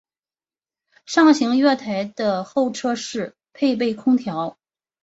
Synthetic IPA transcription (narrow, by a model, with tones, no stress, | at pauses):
ʂɑ˥˩ŋɕi˧˥ŋɥɛ˥˩t̪ʰa˧˥ɪd̪̥ə˧xo˥˩ʊʈ͡ʂʰɤ˥ʂɻ̩˥˩ | pʰe˥˧ɪp̬e˥˩ɪkʰʊ˥ŋt̪ʰjɑ˧˥ʊ